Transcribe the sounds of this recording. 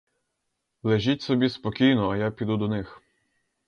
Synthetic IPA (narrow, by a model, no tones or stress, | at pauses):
lˠeʒʲitʲsɔbʲispɔkʲijnɔːjapʲid̪ud̪ɔnɪx